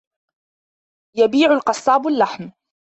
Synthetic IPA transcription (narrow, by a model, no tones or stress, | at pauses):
jabiːʕʊlqɑsˤːɑːbalːaħm